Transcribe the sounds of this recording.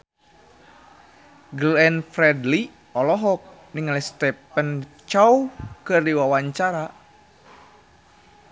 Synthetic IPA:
ɡəlɛnfɾɛdli | ɔlɔɦɔk̚niŋalist̪ɛpən | t͡ʃawkɨrdiwawaɲt͡ʃaɾa

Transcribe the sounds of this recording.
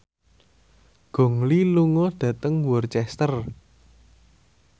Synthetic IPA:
ɡ̥o̤ŋliluŋɔɖ̥ä̤t̪əŋwɔrt͡ʃɛst̪ər

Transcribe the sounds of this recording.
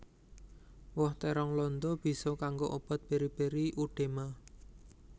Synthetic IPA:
wɔht̪eɾɔŋlɔnd̪ɔb̥i̤sɔkaŋɡoʔob̥ɔt̪̚b̥e̤ɾib̥e̤ɾiʔuɖ̥e̤ma

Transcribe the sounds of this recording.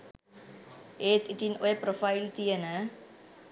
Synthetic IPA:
ɦet̪it̪inʔojpɾofɐjlt̪iənə

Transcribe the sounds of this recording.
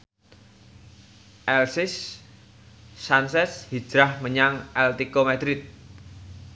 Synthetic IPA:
ʔɛlsɪs | ansɛshi̥d͡ʒ̥ɾahməɲaŋɛlt̪ikomad̪ɾɪt̪̚

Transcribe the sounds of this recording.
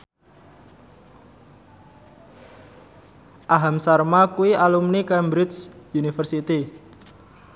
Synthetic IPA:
ʔaɦamsarmakuiʔalumnikɛmbɾɪt̪sjunifərsit̪i

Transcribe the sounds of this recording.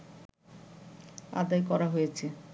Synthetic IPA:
a̰d̪ajkɔɾaɦojet͡ɕʰe

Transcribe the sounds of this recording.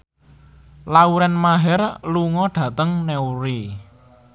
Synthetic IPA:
lauɾɛnmaɦɛrluŋɔɖ̥ä̤t̪əŋnɛuɾe

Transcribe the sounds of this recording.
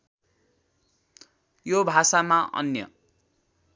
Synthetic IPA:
jobʱasamaʔʌ̰njʌ̰

